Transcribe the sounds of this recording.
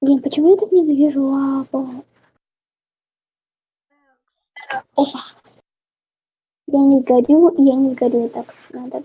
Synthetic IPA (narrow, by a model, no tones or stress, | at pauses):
dʲenpət͡ɕɪmujat̪aknʲɪzvʲiʐʊabo | janʲɪzɡɐɾʲujanʲɪzɡɐɾʲut̪aknad̪a